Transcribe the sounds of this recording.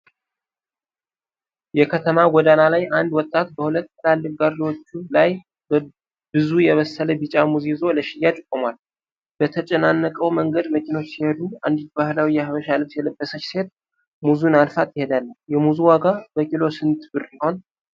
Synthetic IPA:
jɛkʰət̪ʰəmaɡɔd̪analajʔand̪wɔt̪ʼːat̪bəhulət̪ːlalːɨfɡaɾdwot͡ʃːulaj | b | bɨzujɛβəsːələbit͡ʃʼamuzizo̞ləʃɪjːat͡ʃʼɨkʼːɨmwal | b̥ət̪ʰət͡ʃʼɛnanːəkʼəwməŋɡəd̪məkʰino̞t͡ʃːsihed̪ua̰nd̪it̪bahlawijɛhaβəʃalɨβsjɛləbːəsət͡ʃːse̞t̪ | muzunalfat̪jɪhe̞d̪alːənjɛmuzuwaɡabəkʼilo̞sɨnt̪ʰbɨɾniho̞n

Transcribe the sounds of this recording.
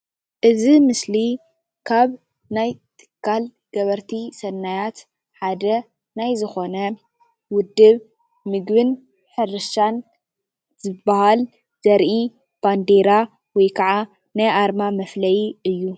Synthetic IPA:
ʔɨzimɨsli | kʰaβ | najt̪ʰɨ̥kʰːal | ɡ̥ɐβɐɾt̪ʰisɐnːajat̪ | ħad̪ɐ | najzɨxo̞nɐ | wʊd̪ːɨβ | mɨɡβɨn | ħɨɾɨʃan | z̥ɨbahal | z̥ɐɾʔi | b̥and̪eɾa | wɔjkʰɐʕa | najʔaɾmamɐflɐjiɨjːu

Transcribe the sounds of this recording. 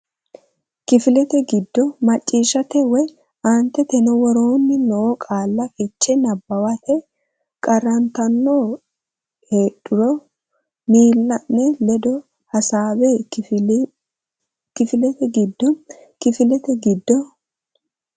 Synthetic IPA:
kɪfɪlɛt̪ɛɡɪd̪ːɔmɐt͡ʃʼːiːʃɐt̪ɛwɔj | ant̪ːɛt̪ɛnɔwɔɾoːnːɪnɔɔkʼaːlːɐfɪt͡ʃːɛnɐbːɐwɐt̪ʰɛ | kʼɐrɐnt̪ɐnːoː | heːɗʊɾɔ | miːlːɐnːɛlɛd̪ɔ | hɐsaːbeː | kɪfɪlɛt̪ɛɡɪd̪ːɔ | kɪfɪlɛt̪ɛɡɪd̪ːɔ

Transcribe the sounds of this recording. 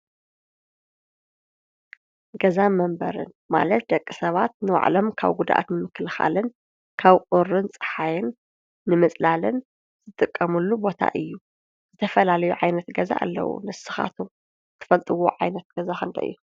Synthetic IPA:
ɡɐzamɐmbɐ̰ɾɨ̰n | ma̰lɐt̪̚d̪ɐkʼːisɐβat̪̚nɨwa̰ʕlomkʰa̰βɡud̪ʔa̰t̪nɨmɨkʰːɨlxa̰lɨn | kʰaβkʼʊɾɨnt͡sʼɨ̥ħajɪnː | ɨmɨt͡sʼlalɨn | zɨt̪ʼɨkʼːɐmulːubo̞t̪ʰa̰ʔɨjːu | z̥ɨt̪ʰɐfɐlalɐjuʕajnɐt̪ɡɐza̰ʔa̰lːɐ̰wṵnɨsɨ̥xa̰t̪ʰum | ɨt̪ʰɨ̥fɐlt̪ʼɨwo̰ʕajnɐt̪̚ɡ̥ɐzaxɨnt̪ʰɐ̰ʔɨ̰jːu

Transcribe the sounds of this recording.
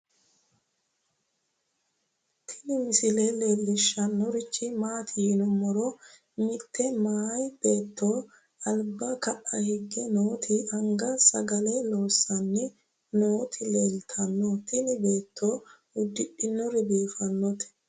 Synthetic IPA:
t̪ʰɪnɪmɪsɪlɛle̞ːlːɪʃːɐnːɔɾɪt͡ʃːɪmaːt̪ʰɪhɪnʊmːɔɾɔ | mɪt̪ːɛmaːjb̥e̞ːt̪ʰːo̞ː | ɐlbɐkɐʔɐhɪɡːɛnoːt̪ʰɪɐŋɡɐsɐ̰ɡɐlɛlo̞ːsːɐnːɪ | no̞ːt̪ʰɪleːlt̪ʰɐnːɔt̪ɪnɪbe̞ːt̪ːo̞ː | ʊd̪ːɪɗɪnːɔɾɪbiːfɐnːɔt̪ɛ̥

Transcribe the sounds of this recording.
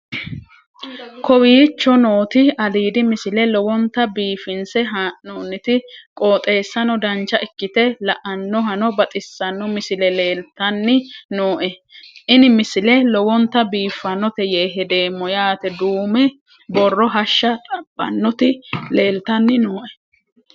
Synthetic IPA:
kɔwiːt͡ʃːɔno̞ːt̪ɪɐliːd̪ɪmɪsɪlɛlɔwɔnt̪ːɐbiːfɪnsɛɦaːʔnoːnːɪt̪ɪkʼo̞ːt̪ʼe̞ːsːɐnɔd̪ɐnt͡ʃːɐʔɪkːɪt̪ɛlɐʔɐnːɔɦɐnɔbɐt̪ʼɪsːɐnːɔmɪsɪlɛle̞ːlt̪ɐnːɪnoːʔɛʔɪnɪmɪsɪlɛlɔwɔnt̪ːɐbiːfːɐnɔt̪ɛjeːɦɛd̪e̞ːmːɔjaːt̪ɛd̪uːmɛ | bɔrːɔɦɐʃːɐt̪ʼɐb̥ːɐ̰nːɔt̪ɪle̞ːlt̪ɐnːɪnoːʔɛ̥

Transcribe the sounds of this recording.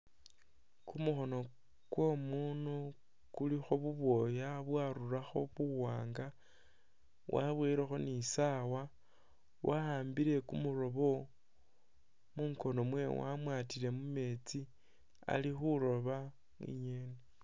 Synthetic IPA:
kumuxo̞no̞ | kwo̞muːnu | kulixoβuβwo̞jaβwaɾuɾaxo̞βuwaːŋɡa | wʔa̰βweːɾexo̞nisawa | wʔahaːmbiɾe̞kumuɾo̞βo̞ | muːŋko̞no̞mwe̞wa̰mwaːtile̞mume̞t͡si | a̰lixuɾo̞βa | ḭɲene

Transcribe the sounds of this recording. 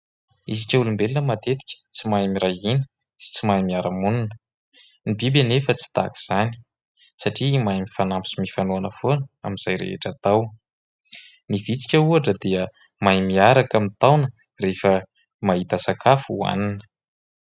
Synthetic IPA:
izikʲəulumbelinəmat̪et̪i̥kʲə̥t͡simajmiɾajinə̥ | si̥t͡simajmiaɾamununə | nibibanefət͡si̥t̪a̰ki̥z̥ani̥ | saʈ͡ʂimajmifanampisimifanuanəfonəa̰minz̥ajɾḛḛʈ͡ʂat̪aw | nivit͡si̥kʲəuaʈ͡ʂəd̪iə | majmiaɾakamint̪awnə | refə | maɦit̪asakʰafua̰ninə̥

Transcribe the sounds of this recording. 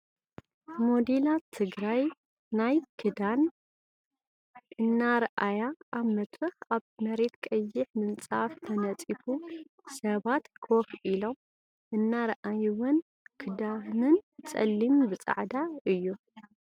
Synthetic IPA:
mod̪ilat̪ʰɨɡɾaj | najkʰɨd̪an | ʔɨnːaɾɐʔajaʔːβmɐt̪ɾɨxaβmɐɾe̞t̪kʼɐjːɪħmɨnt͡sʼaft̪ʰɐnɐt͡sʼifu | sɐβat̪kʰofʔilo̞m | ʔɨnːaɾɐʔajwɨn | kʰɨd̪anɨnt͡sʼɐ̰lːimbɨt͡sʼa̰ʕd̪aɨjːu

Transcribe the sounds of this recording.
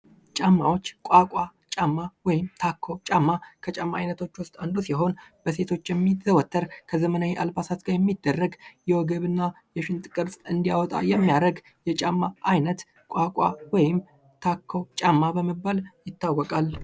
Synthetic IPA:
t͡ʃʼamːawo̞t͡ʃːkʷʼakʼat͡ʃʼamːawɔjɪmt̪ʰakʰːowt͡ʃʼamːakʰət͡ʃʼamːaajnət̪ʰo̞t͡ʃːwʊst̪ʼand̪usiɦo̞nb̥əse̞t̪ʰo̞t͡ʃːjɛmːizəwɔt̪ʰːəɾkʰəzəmənaweʔalbasat̪ɡajɛmːid̪ːərːəɡjɛwɔɡəβɨnːa | jɛʃɪnt̪ʼɨkʼɨɾsʼɨnd̪ijawɔt̪ʼa̰jɛmːijaɾəɡ | jɛt͡ʃʼamːaʔajnət̪ | kʼakʼawɔjɪm | t̪ʰakʰːowt͡ʃʼamːabəməbːaljɪt̪ːawːɔkʼal

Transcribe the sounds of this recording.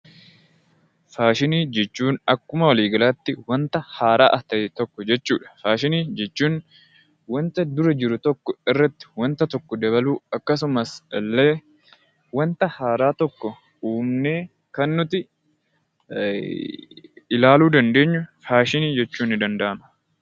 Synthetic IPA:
faːʃɪniːd͡ʒɛt͡ʃːuːnɐkːʊmɐwɐliːɡɐlaːt̪ːɪwɐnt̪ɐhaːɾaːʔɐt̪ɐʔɛt̪ɔkːɔd͡ʒɛt͡ʃːuːᶑɐ̥faːʃɪniːd͡ʒɛt͡ʃːuːn | wɐnt̪ɐd̪ʊɾɐd͡ʒɪɾʊt̪ɔkːɔɪrːɐt̪ːɪ̥wɐnt̪ɐt̪ɔkːɔd̪ɐβɐluːɐkːɐs̬ʊmɐslːeː | wɐnt̪ɐhaːɾaːt̪ɔkːɔ | uːmneː | kɐnːʊt̪ɪ | ɪlaːluːd̪ɐnd̪e̞ːɲːʊfaːʃɪniːd͡ʒɛt͡ʃːuːnːɪd̪ɐnd̪ɐʔɐmɐ̥

